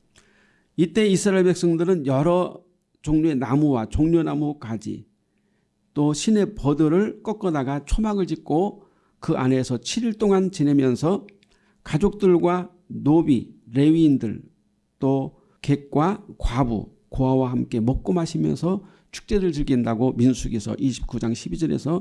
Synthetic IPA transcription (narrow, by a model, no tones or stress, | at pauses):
it͈e̞isʰɯɾaeɭbe̞k̚s͈ʌŋdɯɾɯnjʌɾʌ | t͡ɕoŋɲoenamuwat͡ɕoŋɲonamukad͡ʑḭ | t͈oɕʰine̞pʌdɯɾɯɭk͈ʌk͈ʌdaɡat͡ɕʰomaɡɯɭd͡ʑik̚k͈o | kɯʔa̰ne̞sʰʌt͡ɕʰiɾiɭt͈oŋant͡ɕine̞mjʌnsʰʌ | kad͡ʑok̚t͈ɯɭɡwa | nobiɾe̞ɥiːndɯɭ | t͈o | ke̞k̚k͈wakwabṵ | koɦawaɦamk͈e̞mʌk̚k͈ʌmaɕʰimjʌ̰nsʰʌ | t͡ɕʰu̥k̚t͡ɕ͈e̞ɾɯɭt͡ɕɯɭɡindaɡominsʰuɡesʰʌ̰ʔiɕʰi̥p̚k͈ud͡ʑaŋɕʰibid͡ʑʌɾḛsʰʌ